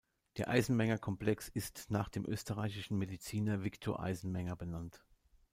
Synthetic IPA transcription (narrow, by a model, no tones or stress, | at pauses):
d̥eːɐʔa̰ɪzn̩mɛŋɐkʰɔmplɛksɪstnaːχd̥eːmʔø̰ːstəʁaɪçɪʃn̩medit͡siːnɐvɪktʰoːɐʔa̰ɪzn̩mɛŋɐbənant